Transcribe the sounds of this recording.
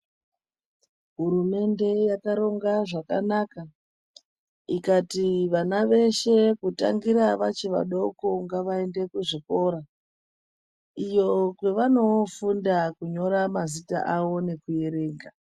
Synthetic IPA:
ɦuɾume̞nde̞jakaɾo̞ŋɡaʐaka̰naka | ikatiʋanaʋe̞ʃe̞kuta̰ŋɡiɾaʋat͡ʃiʋa̰ɗo̞koŋɡaʋae̞nde̞kuʐiko̞ɾa | ijo̞kwe̞ʋano̞fundakuɲo̞ɾamazita̰ʔawo̞ne̞kuje̞ɾe̞ːŋɡa

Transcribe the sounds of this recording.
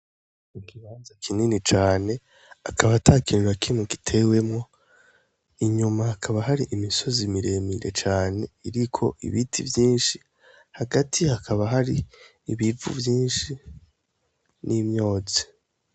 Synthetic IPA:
ikiβaːnzakʰininit͡ʃaːne̞ | akaβatʰakinuɾakimuki̥tʰe̞we̞mŋo̞ | iɲumaakʰaβaɦaɾiʔimiso̞zimiɾe̞miɾe̞̰t͡ʃaːne̞iɾikʰo̞̰ʔḭβitʰivjiːnʃi | haɡatʰiakʰaβaɦaɾiː | βivṵvjiːnʃi | nimɲo̞ːzi

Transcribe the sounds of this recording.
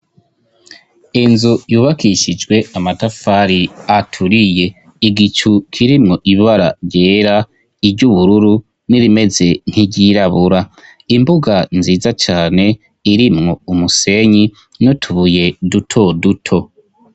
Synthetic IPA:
inzujuːβakʰiʃid͡ʒɡwe̞amatafaɾiatʰuɾije̞ | iɡit͡ʃukʰiɾimŋo̞ʔiβaɾa̰ɾɟe̞ːɾa | iɾɟuβuɾuɾu | niɾime̞ze̞n̥hiɟiɾaβuɾa | imbuɡanziːzat͡ʃaːne̞ | iɾimŋo̞umuse̞ɲi | notʰuβuje̞dutʰo̞dutʰo̞

